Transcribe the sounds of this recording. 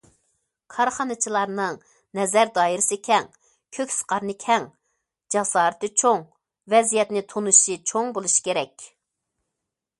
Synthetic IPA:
kʰɑɾχɑnɨt͡ʃʰilˠɑɾnɨŋ | nɛzæɾd̪ɑːjiɾɪsɪkʲʰɛŋ | kʲʰøkʲsɨ̥qɑɾnɨkʲʰɛŋ | d͡ʒɑsɑːɾɨt̪ɨt͡ʃʰoŋ | vɛzijɛt̪nɪt̪ʰonuʃit͡ʃʰoŋbolˠuʃi̥kʲeɾɛkʲ

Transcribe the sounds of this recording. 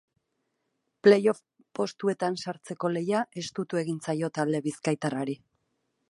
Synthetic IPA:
ple̞jo̞f | po̞st̪ue̞t̪ansaɾt͡se̞ko̞le̞jaʔe̞st̪ut̪ue̞ɣint͡sajo̞t̪ald̪e̞βiskajt̪araɾi

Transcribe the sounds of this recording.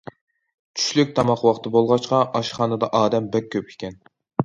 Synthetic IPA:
t͡ʃʰy̥ʃlyk̚ʲt̪ʰɑmɑχwɑχt̪ɨbolˠʁɑʃqɑʔɑʃχɑːnɨd̪ɑʔɑːd̪ɛmbɛk̚ʲʰːøp̚ʰe̥kʲʰɛn

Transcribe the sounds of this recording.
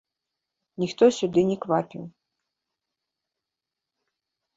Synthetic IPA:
nʲixt̪ɔsʲʊd̪ɪnʲikʋapʲḭw

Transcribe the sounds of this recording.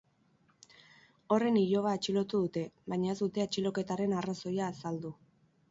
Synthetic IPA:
o̞re̞niʎo̞β̞aːt͡ʃilo̞t̪uðut̪e̞βajɲae̞zd̪ut̪e̞at͡ʃilo̞ke̞t̪aɾe̞naraso̞jaːsald̪u

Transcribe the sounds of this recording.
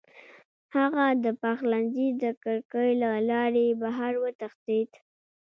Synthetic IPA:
haɣad̪əpaxlanzid̪əkəɾkəjlalɑɾebaɦaɾwət̪axd̪id̪

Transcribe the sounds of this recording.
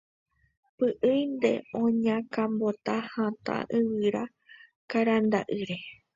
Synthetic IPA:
pɨʔɨjnd̪e̞̰õɲãkãmbot̪ahãt̪a̰ʔɨwɨɾa | kaɾand̪aʔɨɾe

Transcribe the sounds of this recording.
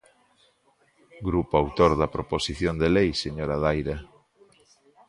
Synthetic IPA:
ɡɾupoawt̪oɾðɐpɾoposiθjond̪elejseɲoɾaðajɾa

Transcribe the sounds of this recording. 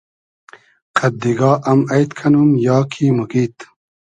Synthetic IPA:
kʰɐd̪iɡɑːʔɐmɐjt̪kʰɐnumjɑːkʰimuɡit̪

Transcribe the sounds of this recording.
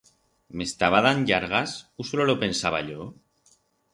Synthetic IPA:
me̞st̪aβ̞aðanʎaɾɣ̞asusololope̞nsaβa̰ʎo

